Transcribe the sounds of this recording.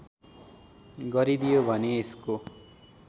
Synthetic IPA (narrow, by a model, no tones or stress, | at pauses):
ɡʌɾid̪ijobʱʌneːsko